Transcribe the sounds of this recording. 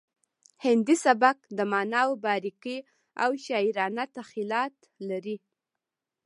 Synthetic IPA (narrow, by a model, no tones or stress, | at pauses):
hɪnd̪isabak̚d̪əmɑnawbɑɾiki | awʃɑiɾɑnat̪axilɑt̪ | laɾi